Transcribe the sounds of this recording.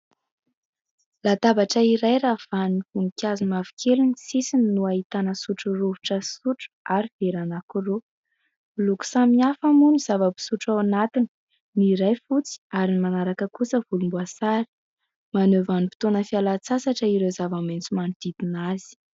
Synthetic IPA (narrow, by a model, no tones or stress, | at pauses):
lat̪abaʈ͡ʂəiɾajɾav̥anifunikʲazumavi̥kʰelunisisininuaɦit̪anəsuʈ͡ʂuruvu̥ʈ͡ʂəsuʈ͡ʂu̥aɾiv̥eɾanakuro | luku̥samiafamuniz̥avəbi̥suʈ͡ʂawanat̪ini̥ | niɾajfut͡si̥aɾinimanaɾakəkusəvulumbuasaɾi̥ | manøvanupi̥t̪onəfialat͡sasaʈ͡ʂəiɾezavament͡sumanid̪̥id̪inaz̥i̥